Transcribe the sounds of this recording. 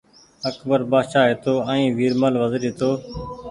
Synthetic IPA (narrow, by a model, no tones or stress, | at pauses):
əkbəɾbaːʃaːɦet̪oːə̃ːĩːʋiːɾməlʋəzɾit̪oː